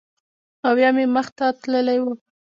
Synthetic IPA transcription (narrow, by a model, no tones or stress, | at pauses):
awjɑmeməxt̪at̪ləlajwu